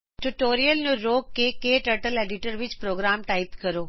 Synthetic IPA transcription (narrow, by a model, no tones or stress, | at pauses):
ʈuʈoːɾijəlnũɾoːɡkːeːkeːʈəɾʈəleːɖɪʈəɾʋɪt͡ɕpɾoːɡɾaːmʈaːɪpkɐɾoː